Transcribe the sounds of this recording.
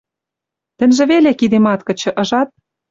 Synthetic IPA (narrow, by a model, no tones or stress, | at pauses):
t̪ɘ̆nʲʒĕβelekid̪emɑt̪kɤ̆t͡ɕɤ̆ʔɤ̆ʒɑt̪̚